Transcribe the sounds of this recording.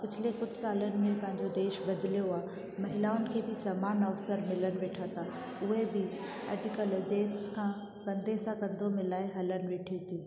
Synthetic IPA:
pɪt͡ɕʰɪlekʊd͡ʑʱsaːlənɪ̆mẽpɐ̃ɦɪ̃ɲd͡ʑod̪eːʃbɐd̪lijoaː | mɐɦɪlaːʊnɪ̆kʰeːbɪsaːmaːnɐʋsəɾmɪlənɪ̆ʋeːʈʰat̪a | ʊɦebɪ | ɐ̰d͡ʑʊ̆kəld͡ʑeːt̪skʰã | kɐ̃nd̪esãkɐ̃nd̪omɪ̃laːɪɦɐlənɪ̆ʋeːʈʰit̪ʰiː

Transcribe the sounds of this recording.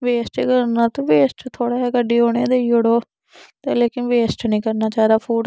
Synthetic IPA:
ʋeːsʈekəɾnaːt̪oːʋeːsʈt̪ʰoːɽaːɛːkəɖiːɦoːɽ̃ed̪eːoɽoː | t̪eːleːkɪnʋeːsʈnəĩːkəɾnaːt͡ʃaːɾaːpʰuːʈ

